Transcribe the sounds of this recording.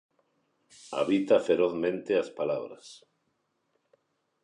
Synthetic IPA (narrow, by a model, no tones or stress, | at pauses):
a̰βit̪afeɾoθmẽnt̪easpalaβɾas